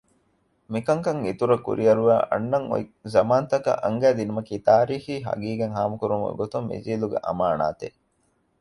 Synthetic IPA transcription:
mikɐŋkɐŋit̪uɾɐkṵɾiɐɾuʋæːʔɐ̰nːɐŋo̰jzɐmaːnt̪ɐkɐ̰ʔɐŋɡæːd̪inumɐkiːt̪aːɾiːxiːɦɐ̰ɡiːɡeŋɦaːmukuɾumṵɡot̪umːḭziːluɡḛʔɐ̰maːna̰ːt̪ḛ

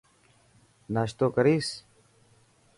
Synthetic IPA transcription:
naːɕt̪oːkɐɾiːs

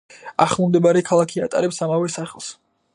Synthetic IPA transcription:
aχlˠumd̪ɛbaɾɛkʰalˠakʰia̰t̪ʼa̰ɾɛpsamavɛsaχɛlˠs

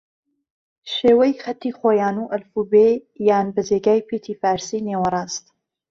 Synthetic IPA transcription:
ʃeːwɐjxɐt̪ːiːxoːjaːnuːʔɐlfuːbeːjaːnbɨd͡ʒeːɡaːjpʰet̪ʰiːfaːɾsiːneːwɐɾˤɑːst̪

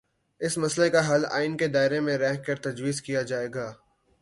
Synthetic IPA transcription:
ɪsmɐslekaɦɐla̰ːɪnked̪aːɪɾemẽɾɛːɦkɐɾt̪ɐd͡ʒwiːzkijad͡ʒaːeːɡaː

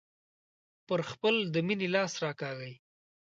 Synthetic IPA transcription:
pəɾxpəld̪əminelɑsɾɑkɑɣəj

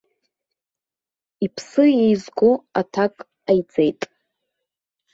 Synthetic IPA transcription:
ipʰsɨjejzɡʷoatʰakʼ | ajd͡zejtʼ

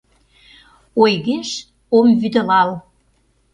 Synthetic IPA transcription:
ojɣeʃ | omvyd̪ə̆lɑl

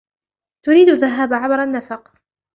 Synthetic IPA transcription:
t̪ʊɾiːd̪ʊðːaɦaːbʕabɾˤanːafɑq

